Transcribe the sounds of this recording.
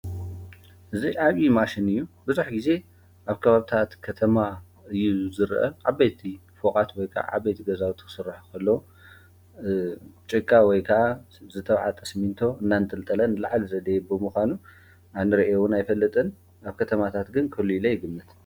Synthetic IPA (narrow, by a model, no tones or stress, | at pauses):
ʔɨziʔaβimaʃinɨjːubɨzuħɡize̞ | ʔaβkʰɐβaβit̪ʰat̪kʰɐt̪ʰɐma | ɨjːuzɨɾʔɐ̰ʕaβːejt̪ʰi | fokʼat̪wɔjkʰɐ̰ʔa̰ʕa̰βːejt̪ʰiɡɐzawt̪ʰɨ̥xɨ̥sɨrːaħukʰɐlːo | t͡ʃʼɨkʼːawɔjkʰɐʔa | zɨt̪ʰɐβʕat̪ʼɐsmint̪ʰo̞ɨnːanɨt̪ʰʼɨlt̪ʼɐlɐnlaʕlizɐd̪ebɨmuxʷanu | ʔanːɨɾɐʔewʊnajfɐlːɨt̪ʼɨn | aβkʰɐt̪ʰɐmat̪ʰat̪ɡɨnkʰɐliilɐjɪɡɨmːɨt̪